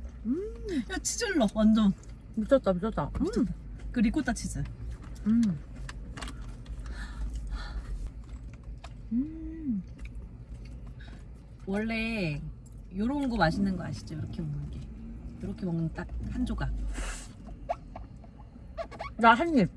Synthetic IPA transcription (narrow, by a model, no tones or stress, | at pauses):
ɯjat͡ɕʰid͡ʑɯɭːʌwʌnd͡ʑoŋ | but͡ɕʰʌt̚t͈abut͡ɕʰʌt͈aut͡ɕʰt͈kɯɾiɡot͈at͡ɕʰid͡ʑɯɭɯ | ɯ | wʌɭːe̞ | joɾounɡomaɕʰinɯnɡʌaɕʰi̥d͡ʑojoɾʌkʰemʌŋɯnɡejoɾʌkʰe̞mʌŋnɯnt͈ak̚hand͡ʑoɡa | daɦanɲi